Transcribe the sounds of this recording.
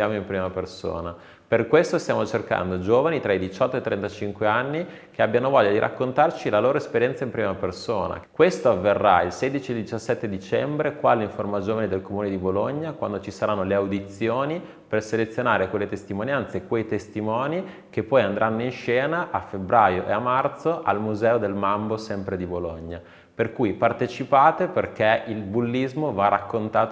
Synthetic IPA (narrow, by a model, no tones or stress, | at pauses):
sjaːmoimpɾiːmaperso̰ːna | perkwest̪ost̪jaːmot͡ʃerka̰nd̪od͡ʒoːvanit̪ɾʔaid̪it͡ʃɔt̪ːoet̪ːɾɛnt̪at͡ʃiŋkweanːikeabːjanovɔʎːad̪iɾʔa̰kːont̪art͡ʃilaloːɾoespeɾjɛnt̪saimpɾiːmapersoːna̰kwest̪oavːerːa̰ilseːd̪it͡ʃield̪it͡ʃasːɛt̪ːed̪it͡ʃɛmbɾekwaːleiɱformad͡ʒoːvanid̪elkomuːned̪iboloɲːakwa̰nd̪ot͡ʃisaɾanːoleawd̪it̪sjoːni | perselet̪sːjonaːɾekwelːet̪est̪imonjant̪sekwejt̪est̪imɔːni | k̟epːɔjand̪ɾʔanːoinʃɛːnaʔafebɾaːjoʔḛamːart̪soʔalmuzɛːod̪elmambosɛmpɾed̪iboloɲːa | perkujpart̪et͡ʃipaːt̪eperk̟eilbulːizmovarakːont̪aːt̪